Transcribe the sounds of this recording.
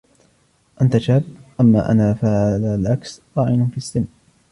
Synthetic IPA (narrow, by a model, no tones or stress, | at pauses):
ʔant̪aʃaːb̚ʔamːa̰ːʔa̰naːfaːʕalalʔaksɾˤɑːʔɪnʊnfisːɪm